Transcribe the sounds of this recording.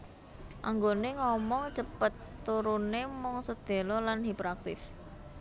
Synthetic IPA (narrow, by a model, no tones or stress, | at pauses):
ʔaŋɡoneŋɔmɔŋt͡ʃəpət̪ːuɾunemɔŋsəd̪̥e̤lɔlanɦipəɾak̚t̪ɪ̰f